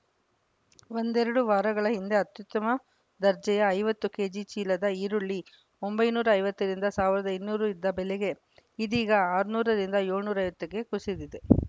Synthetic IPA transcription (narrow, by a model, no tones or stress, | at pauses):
ʋo̞nd̪ɛɾɐɽuʋaːɾɐɡɐɭɐɦind̪e̞ɐt̪jut̪ːɐmɐ | d̪ɐɾd͡ʒɛjɐːjʋɐt̪ːuke̞ːd͡ʒit͡ʃiːlɐd̪ɐiːɾuɭːi | ombɐjnuːɾɐːjʋɐt̪ːɐɾind̪ɐsaːʋiɾɐd̪ɐinːuːɾuid̪ːɐbɛlɛɡe̞ | id̪iːɡɐaːɾunuːɾɐɾind̪ɐjoːɭnuːɾɐjʋɐt̪ːɐkːe̞kusid̪id̪e